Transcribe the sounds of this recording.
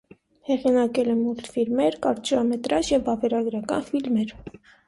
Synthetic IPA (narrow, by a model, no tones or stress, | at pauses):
hɛʁinɑkɛlɛmult̪ʰfilmɛɾkɑɾt͡ʃɑmɛt̪ɾɑʃjɛvɑvɛɾɑɡɾɑkɑ̰nfilmɛɾ